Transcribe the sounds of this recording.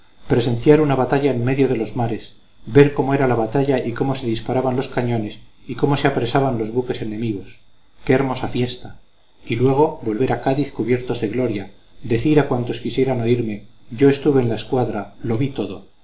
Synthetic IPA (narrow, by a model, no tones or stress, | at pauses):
pɾe̞se̞nθjaɾunaβat̪aʎaenme̞ðjo̞ð̞e̞lo̞zmaɾe̞s | be̞ɾko̞mo̞e̞ɾalaβat̪aʎaʔiko̞mo̞se̞ðispaɾaβanlo̞skaɲõ̞ne̞siko̞mo̞se̞apɾesaβanlo̞zβuke̞se̞ne̞miɣo̞s | keːɾmo̞safje̞st̪a | ilwe̞ɣ̞o̞βo̞lβe̞ɾakaðiθkuβje̞ɾt̪o̞zðe̞ɣlo̞ɾja | d̪e̞θiɾakwant̪o̞skisje̞ɾano̞iɾme̞ʝoe̞st̪uβe̞ːnlaeskwaðɾalo̞βit̪o̞ðo̞